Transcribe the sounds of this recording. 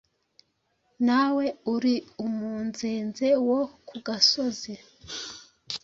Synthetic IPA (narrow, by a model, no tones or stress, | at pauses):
nawe̞uɾiumuːnzeːnzewokuɡaso̞ze